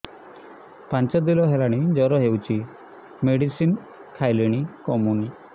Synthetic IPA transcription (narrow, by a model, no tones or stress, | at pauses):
pant͡ʃɔd̪ilɔɦelaɽ̃id͡ʒɔɾɔɦewt͡ʃʰi | meɽisin | kʰajliɽ̃ikɔmuni